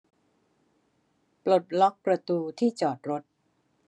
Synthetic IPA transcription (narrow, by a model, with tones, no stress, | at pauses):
plo˨˩t̪̚lɔ˦˥k̚pɾa˧t̪uː˧t̪ʰiː˥˩t͡ɕɔː˨˩t̪̚ɾo˦˥t̪̚